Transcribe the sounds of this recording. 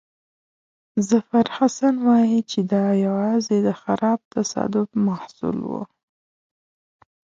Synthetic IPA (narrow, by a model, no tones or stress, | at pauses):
zafaɾhasanwɑjit͡ʃed̪ɑjawɑzed̪əxaɾɑb̚t̪ʰasɑ̰d̪ʊfmahsṵlwṵ